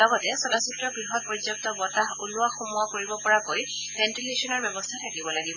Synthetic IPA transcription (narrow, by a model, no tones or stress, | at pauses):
ɔɡɔtɛsɔdasutɹɔɡɹiɦɔt̚pɔɹizɔk̚tɔbɔtaɦulʊaxumʊakoɹibɔpɔɹakoj | bɛntileʃɔnɔɹbjɔbɔstʰatʰakibɔlaɡibɔ